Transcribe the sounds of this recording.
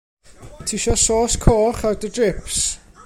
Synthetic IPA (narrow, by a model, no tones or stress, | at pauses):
tʰiʃɔsoːskʰoːχadədrɪps